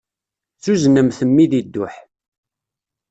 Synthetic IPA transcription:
t͡sːuznəmθəmːiðid̪ːʊħ

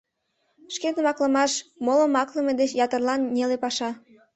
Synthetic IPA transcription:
ʃkenəmɑkləmɑʃmolə̆mɑkləmed̪et͡ɕjɑt̪ərlɑnːʲelepɑʃɑ

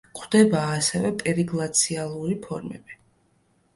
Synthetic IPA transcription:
qʰʼwd̪̥ɛbaːsɛvɛpʼɛɾiɡlˠat̪sʰialˠuɾipʰɔɾmɛ̰bi̥

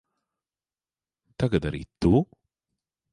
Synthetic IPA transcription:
t̪ɐɡɐd̪ɐɾḭt̪ːuː

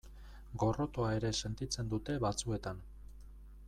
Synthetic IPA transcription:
ɡo̞ro̞t̪oae̞ɾe̞se̞nt̪it͡se̞nd̪ut̪e̞βat͡sue̞t̪an

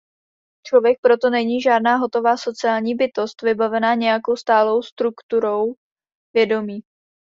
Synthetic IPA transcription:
t͡ʃlo̞vjɛk̚pɾo̞t̪o̞nɛɲiːʒaːdnaːɦo̞t̪o̞vaːso̞t͡sɪaːlɲiːbɪt̪o̞st̪vɪbavɛnaːɲɛjako̞wst̪aːlo̞wst̪ɾukt̪uɾo̞w | vjɛdo̞miː

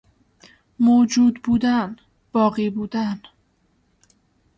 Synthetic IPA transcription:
moːd͡ʒuːd̪buːd̪æn | b̥ɒːɣiːbuːd̪æn

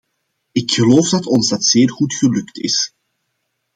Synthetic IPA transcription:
ɪkxəloːfdɑtɔnzdɑtseːrɣutxəlɵktɪ̰s

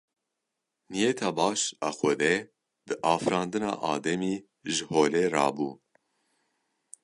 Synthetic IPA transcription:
nijet̪ʰɑːbɑːʃɑːxʷɛd̪ɛ | d̪̥ɨʔɑːfɾɑːnd̪ɨnɑ̰ːʔɑːd̪ɛmiː | ʒɨhoːleːrɑ̰ːbṵː

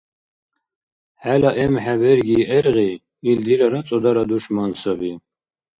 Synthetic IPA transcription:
ħælaʔɛmħævɛɾɡiːʔɛɾʁi | ild̪ilaɾat͡sʼɔd̪aɾad̪uʂmansabi

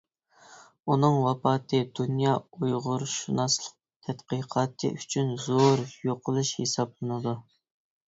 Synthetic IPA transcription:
unɨŋwɑpɑːt̪ʰɨd̪unjɑːujʁʊɾʃunɑslˠə̥q̚t̪ʰɛt̪qiqʰɑːt̪ʰɨ̰ʔyt͡ʃʰynzoɾjoqʰʊlˠuʃhesɑblˠɨnɨd̪u

